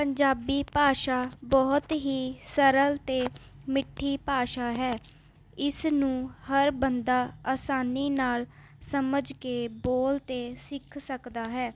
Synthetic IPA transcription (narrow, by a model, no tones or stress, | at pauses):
pəɲd͡ʒaːbiːpaːʃaːbɔːt̪ɦiːsəɾəlt̪eːmɪʈʰːiːpaːʃaːɦɛː | ɪsnũːhəɾbənd̪aːaːsaːniːnaːl | səməd͡ʒkeːboːlt̪eːsɪkʰsəkd̪aːɦɛː